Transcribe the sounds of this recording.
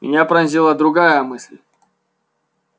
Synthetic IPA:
mʲɪ̰nʲapɾɐnʲzʲilˠəd̪ɾʊɡajəmɨsʲlʲ

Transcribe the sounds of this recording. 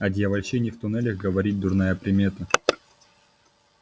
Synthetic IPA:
ɐd̪ʲjɐvɐlʲɕenʲɪift̪ʊnɛlʲəxɡəvɐɾʲit̚ʲd̪ʊrnajəpɾʲɪmʲet̪ə

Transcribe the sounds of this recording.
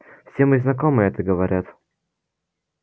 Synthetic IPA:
fsʲemɨznɐkomɨɛt̪əɡəvɐɾʲʔat̪

